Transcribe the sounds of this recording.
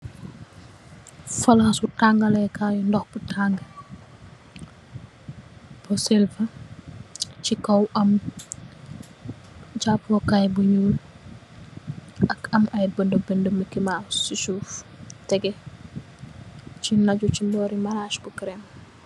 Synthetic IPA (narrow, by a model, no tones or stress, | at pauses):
fɐlxɐsutaŋɡɐlɛkajundɔxbutʰaŋɡə | b̥ɔsɛlfɐ | t͡ʃikɐwʔɐm | ɟapːɔkajbuɲuːl | ʔɐkɐmɐjbəndəbɛndəmːəkimasisuːftɛɡɛ | t͡ʃinɐɟucindɔːɾimaɾaːʃkukɾɛm